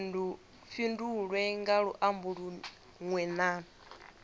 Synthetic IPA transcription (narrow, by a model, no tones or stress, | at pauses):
u | finduɺwɛŋɡaɺuʔambuɺu | ŋwɛna